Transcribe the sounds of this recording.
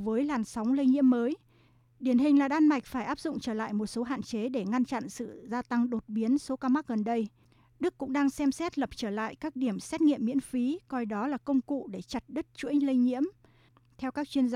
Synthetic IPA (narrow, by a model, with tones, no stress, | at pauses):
vəː˨˦jlaː˨˩nsa˨˦wŋ͡mlə˧jɲḭ˧˥əmːəː˨˦j | ɗi˧˩ənɦï˨˩ŋlaː˨˩ɗaː˧nma˨˩jk̟̚faː˧˩jʔaː˦˥p̚zʊ̰˧˨ŋ͡mt͡ɕəː˧˩la̰ː˧˨jmo˨˩t̚so˨˦ɦa̰ː˧˨nt͡ɕe˨˦ɗe˧˩ŋa˧nt͡ɕa̰˧˨nsɨ̰˧˨zaː˧t̪a˧ŋɗo˨˩t̚ɓi˨˦ənso˨˦kaː˧ma˦˥k̚ɣə˨˩nɗə˧j | ɗɨ˦˥kːʊ̰˧˥ŋ͡mɗaː˧ŋsɛ˧msɛ˦˥t̚lə˨˩p̚t͡ɕəː˧˩la̰ː˧˨jkaː˦˥k̚ɗi˧˩əmsɛ˦˥t̚ŋḭ˧əmːḭ˧˥ənfi˨˦kɔ˧jɗɔ˨˦laː˨˩kə˧wŋ͡mkṵ˧˨ɗe˧˩t͡ɕa˨˩t̚ɗɨ˦˥t̚t͡ɕṵ˧˥əŋlə˧jɲḭ˧˥əm | t̪ʰɛ˧wkaː˦˥k̚t͡ɕwi˧ənz